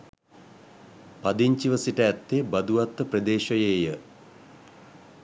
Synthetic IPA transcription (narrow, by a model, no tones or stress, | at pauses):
pad̪iɲt͡ʃiʋəsiʈəæt̪ːebɐd̪uʋat̪ːəprəd̪eːʃəjeːjə